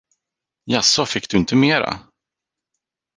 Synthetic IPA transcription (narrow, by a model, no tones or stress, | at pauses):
jasɔfɪkːd̪ɵɪnt̪əmeːɾa̰